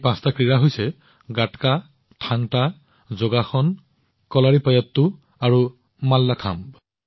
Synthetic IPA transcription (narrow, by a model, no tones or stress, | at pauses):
pãstakɹiɹaɦojsɛ | ɡatka | tʰaŋta | zoɡaxɔn | kɔlaɹipajatːu | aɹu | malːakʰamb